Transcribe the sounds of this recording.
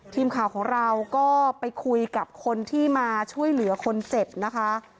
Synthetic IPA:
t̪ʰiː˧mkʰaː˨˩wkʰɔː˩˦ŋɾa˧wkɔː˥˩pa˧jkʰu˧jka˨˩p̚kʰo˧nt̪ʰiː˥˩maː˧t͡ɕʰu˥˩əjlɯ˩˦ɐkʰo˧nt͡ɕe˨˩p̚na˦˥kʰa˦˥

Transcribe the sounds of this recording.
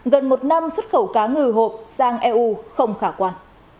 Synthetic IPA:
ɣə˨˩nmo˨˩t̚na˧mswə˦˥t̚xə˧˩wkaː˨˦ŋɨ˨˩ɦo˨˩p̚saː˧ŋʔɛ˧ʔu˧xə˧wŋ͡mxaː˧˩kwaː˧n

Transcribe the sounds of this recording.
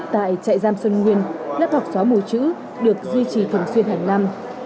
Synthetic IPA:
t̚t̪a̰ː˧˨jt͡ɕa̰ː˧˨jzaː˧msə˧nŋwi˧ənla̰ː˦˥p̚ha˨˩wk͡p̚saː˨˦mu˧˩t͡ɕɨ̰˧˥ | ɗɨ˨˩ək̚zwi˧t͡ɕi˨˩t̪ʰɨ˨˩əŋswənha˨˩ŋ̟la˧m

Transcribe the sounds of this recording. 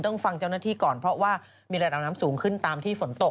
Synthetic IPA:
t̪ɔ˥˩ŋfa˧ŋt͡ɕa˥˩wnaː˥˩t̪ʰiː˥˩kɔː˨˩npʰɾɔ˦˥waː˥˩ | miː˧ɾa˧da˨˩p̚naː˦˥msuː˩˦ŋkʰɯ˥˩nt̪aː˧mt̪ʰiː˥˩fo˩˦nt̪o˨˩

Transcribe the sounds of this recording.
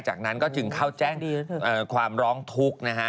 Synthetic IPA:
t͡ɕa̰ː˨˩k̚na˦˥nkɔː˥˩t͡ɕɯ˧ŋkʰaː˥˩wt͡ɕɛː˥˩ŋʔɤː˨˩kʰwaː˧mɾɔː˦˥ŋt̪ʰu˦˥k̚na˦˥kʰa˦˥

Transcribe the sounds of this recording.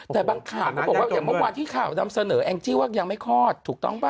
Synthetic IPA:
t̪ɛː˨˩baː˧ŋkʰaː˨˩wkʰɔ˥˩bkwaː˥˩ja˨˩mɯ˥˩kwaː˧nt̪ʰiː˥˩kʰaː˨˩wna˧msa˧nɤː˩˦ʔɛː˧ŋt͡ɕi˦˥˩waː˥˩ja˧ŋma˥˩jkʰɔː˥˩t̪ʰːuː˨˩k̚t̪ɔ̰˥˩ŋpa˧˩

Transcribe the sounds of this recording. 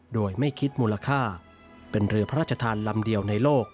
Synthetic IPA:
doː˧jma˥˩jkʰi˦˥t̪̚muː˧la˧kʰaː˥˩ | pe˧nɾɯ˧ɐpʰa˦ɾaː˥˩t͡ɕʰa˧t̪ʰaː˧nla˧mdi˧əwna˧jloː˥˩k̚

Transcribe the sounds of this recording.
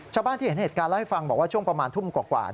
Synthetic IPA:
t͡ɕʰaː˧wbaː˥˩t̪ʰiː˥˩˦n˥˩˨kaː˧nla˥˩ha˥˩fa˧ŋbɔː˨˩k̚waː˥˩t͡ɕu˥˩əpɾa˧maː˧nt̪ʰu˥˩mkwaː˨˩kwa̰ː˨˩

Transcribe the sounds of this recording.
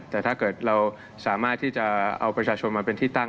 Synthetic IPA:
t̪ɛː˨˩t̪ʰaː˥˩kɤː˨˩t̪̚ɾa˧w | saː˩˦maː˥˩t̪ʰːiː˥˩t͡ɕa˨˩ʔa̰˧wpɾa˧t͡ɕʰaː˧t͡ɕʰo˧nmaː˧pe˧nt̪ʰiː˥˩t̪a˥˩

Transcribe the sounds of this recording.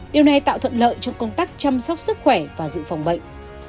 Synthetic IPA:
ɗi˨˩əwna˨˩jt̪a̰ː˧˨wt̪ʰə˧˨nlə̰ː˧˨jt͡ɕɔ˧wŋ͡mkə˧wŋ͡mt̪aː˦˥k̚t͡ɕa˧msɔ˦˥wk͡p̚sɨ˦˥k̚xwɛ˧˩vaː˨˩zɨ̰˧˨fa˨˩wŋ͡mɓə̰˧˨jŋ̟

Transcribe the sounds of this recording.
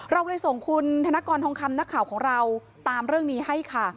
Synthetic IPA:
ɾa˧wlaː˧jso˨˩ŋkʰu˧nt̪ʰa˧naː˦˥kɔː˧nt̪ʰɔ˧ŋkʰa˧mna˦˥kʰaː˨˩˦wkʰɔː˩˦ŋɾa˧w | t̪aː˧mɾɯ˥˩əŋniː˦˥ha˥˩jkʰa˥˩

